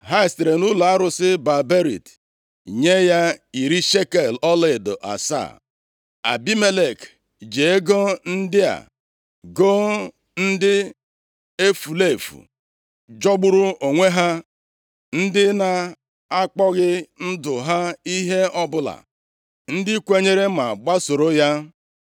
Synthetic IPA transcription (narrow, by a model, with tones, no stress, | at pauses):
ɦa˦ɪ˨stɾe˨nu˦la˨a˦ɾʊ˨sɪ˦ba˨be˦ɾḭ˨t | ɲe˦ja˦i˨ɾi˦ʃe˦ke˨lɔ˦le˦˨do̰˨ʔa̰˨sa̰˦˨ | a̰˨bi˦me˦le˨k | d͡ʒe˨e˦ɡo˦n̩˦dɪ˦a̰˨ | ɡo˦ | n̩˦dɪ˦ | e˦fu˨le˦˨fṵ˨ | d͡ʒɔ˦ɡ͡bʊ˦ɾu˦o˨ŋʷe˦ɦa˦ | n̩˦dɪ˦na˨ | a˦k͡pɔ˦ɣɪ˦n̩˦dʊ˨ɦa˦i˦ɦe˦ɔ˦bʊ˦la̰˨ | n̩˦dɪ˦kʷe˦ɲe˦ɾe˦ma˨ɡ͡ba˦so˨ɾo˦ja˦